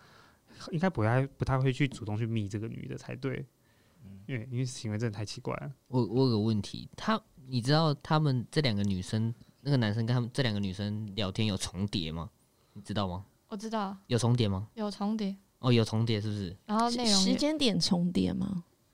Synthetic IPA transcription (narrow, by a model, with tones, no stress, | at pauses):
xi˥ŋka˥ɪpu˧˥t̪ʰa˧˩ɪpu˨˧t̪ʰa˥ɪxwe˥˧ɪt͡ɕʰy˥˩t͡su˨t̪o˥˧ŋt͡ɕʰy˥˩mi˨˩ʈ͡ʂɤ˥˩ɡə˨˩ny̰˨˩d̪ə˨˦t͡sʰa˧˥ɪt̪we˥˩ɪ˥˩ | twe˥˩i˥nwe˥˧˥t͡ɕʰi˧˥ŋwʈ͡ʂə˥˩˨tʰa˧˥ɪt͡ɕʰi̥˧˥kwa̰˥˩ɪwɔ˧˥wɔ˧˩ɡə˨˦wə˥˩nt̪ʰḭ˧˦t̪ʰa˥ni˨˩ʈ͡ʂɻ̩˥t̪ɑ˥˩ʊt̪ʰa˦˥mə˨nʈ͡ʂɤ˥˩˨ljɑ˨˩ŋɡə˩˦ny˨˩ʂə˦ŋna˥˩ɡə˩na˧˦nʂə˦nkə˧˥nʰa˥mə˨nʈ͡ʂɤ˥˨ljɑ˨˩ŋɡə˨ny˨˩ʂə˦nljɑ˧˥ʊt̪ʰjɛ˥njo˨˩ʊt͡sʰʊ˧˥˦ŋt̪jɛ̰˨˩˦ma̰˦ | ni˨˩ʈ͡ʂɻ̩˥t̪ɑ˥˩ʊma˨˩ | wɔ˨˩ʈ͡ʂɻ̩˦˥t̪ɑ˥˩ʊjo˨˩ʊt͡sʰʊ˧˥ŋt̪jɛ˨˩ma˨jo˨˩ʊt͡sʰʊ˧˥ŋt̪jɛ˨˩˦ | ʔɔ˥˨jo˨˩ʊt͡sʰʊ˧˥ŋt̪̬jɛ˨˦ʂɻ̩˥˩bu˩ʂɻ̩˥˩a˧˦o˥˧e˥˨oʂɻ̩˧˦t͡ɕjɛ˥nt̪jɛ˨˩nt͡sʰʊ˧˥ŋt̪jɛ̰˨˩˦ma̰˧